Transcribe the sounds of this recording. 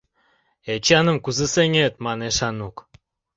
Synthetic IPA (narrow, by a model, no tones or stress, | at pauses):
et͡ɕɑnə̆mkuzəseŋʲet̪mɑneʃɑnuk